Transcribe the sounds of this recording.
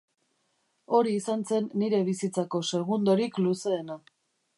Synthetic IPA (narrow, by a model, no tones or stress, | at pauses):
o̞ɾiːsanse̞nːiɾe̞βisit͡sako̞se̞ɣ̞und̪o̞ɾikluse̞ːna